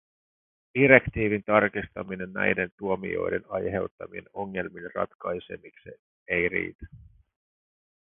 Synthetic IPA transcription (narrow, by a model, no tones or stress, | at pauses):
d̥iɾe̞kt̪iːʋint̪ɑrkist̪ɑmine̞nnæ̰jde̞nt̪uo̞mḭo̞̰jde̞̰nɑjɦe̞wt̪ːɑmie̞̰no̞ŋːe̞lminrɑ̰t̪kɑjse̞̰mikse | ejrḭːt̪æ̥